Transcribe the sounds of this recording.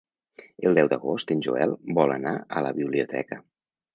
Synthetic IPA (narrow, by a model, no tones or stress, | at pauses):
əlˠd̪ɛwd̪əɣost̪ənʲʒuɛlˠbɔlənaələβiβliut̪ʰɛ̰kə